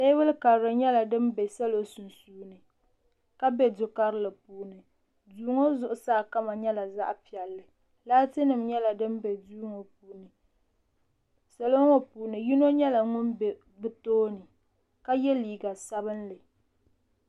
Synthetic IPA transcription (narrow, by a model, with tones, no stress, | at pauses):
sɛ˦wʊ˦lka˨ɾɾɨ˨ɲɛ˦la˨dɨ˦mbɛ˨sɛ˦lo˦sʊ˨n˨suː˦nɨ˨ | ka˦bɛ˦dʊ˨ka˦ɾlɨ˨puː˨nɨ˨ | duː˨ŋo˦zʊ˦ʔʊ˨saː˦˨ka˦ma˨ɲɛ˦la˨za̰˦ʔpi˨ɛ˨lːɨ˨ | laː˦tɨ˦nɨ˨mɲɛ˦la˨dɨ˦m˦bɛ˨duː˦ŋo˨p̚uː˨nɨ˨ | sɛ˦lo˦ŋo˦puː˨nɨ˨ji˦no˦ɲɛ˦la˨ŋʊ˦nbɛ˨ | bɨ˨toː˦nɨ˨ | ka˦jɛ˦liː˨ɡa˨sa˦bɨ˦nlɨ˨